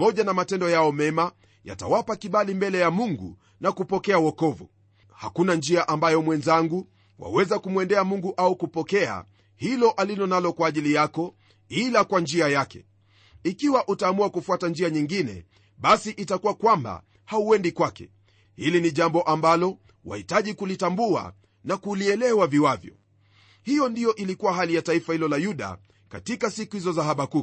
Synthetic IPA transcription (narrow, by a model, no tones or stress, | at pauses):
pamɔʄanamatɛndɔjaɔmɛma | ja̰ta̰wapakiɓalimbɛlɛjamuŋɡṵ | nakupɔkɛawɔkɔvṵ | ha̰kunand͡ʒiaʔambajɔmwɛnzaŋɡu | wa̰wɛzakumwɛndɛamuŋɡuʔaukupɔkɛa̰ | hilɔʔalilɔnalɔkwaːʄilijakɔ | ilakwand͡ʒiajakɛ̰ | ikiwaʔutaːmuakufuatand͡ʒiaɲiŋɡinɛ̰ | ɓasiʔitakuwakwamba̰ | hauwɛndikwakɛ̰ | hiliniʄambɔʔambalɔ | wa̰hitaʄikulitambua̰ | nakuliɛlɛwaviwavjɔ̰ | hijɔndijɔʔilikuwaɦalijataifahilɔlajuɗa̰ | katikasikuhizɔzaɦaɓaku